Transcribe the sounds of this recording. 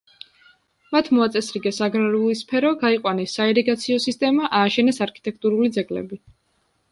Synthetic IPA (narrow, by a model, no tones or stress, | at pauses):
mat̪ʰmɔat̪sʼɛsɾiɡɛsaɡɾaɾulispʰɛɾɔɡaiqʼwanɛsːaɛɾɛɡat̪sʰiɔsist̪ʼɛmaʔaːʃɛnɛsaɾkʰit̪ʼɛkʰt̪ʼuɾulid̪zɛɡlɛ̰bi